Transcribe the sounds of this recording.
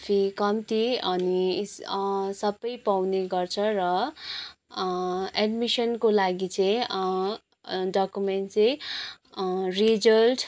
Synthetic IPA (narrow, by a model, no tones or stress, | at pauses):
pʰikʌmt̪iʌni | sʌbʌjpawneɡʌrt͡sʰʌrʌ | eɖmisʌnkolaɡit͡sʌĩ | ɖakumeɳʈt͡saj̃ | rid͡zʌlʈ